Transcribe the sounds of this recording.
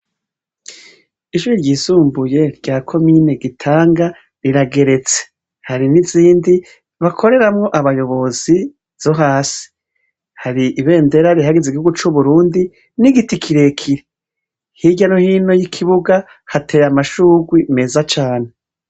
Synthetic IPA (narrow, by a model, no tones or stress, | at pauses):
iʃuɾiɾɟiːzuːmbuje̞ɾɟaːkʰo̞mine̞ɡitʰaːŋɡa | ɾiɾaɡe̞ɾe̞t͡se̥ | haɾiniziːndi | βakʰo̞ɾe̞ɾamŋo̞ʔaβajo̞βo̞z̥i | z̥o̞ɦaːsi̥ | haɾiʔiβe̞ːnde̞ɾaɾihaɡezeiɡihuɡut͡ʃuβuɾuːndi | niɡitikʰiɾe̞kʰiɾe | hiɟanohiːno̞jikʰiβuɡa | hatʰe̞ːɾamaʃuːɡwime̞ːzat͡ʃaːne̞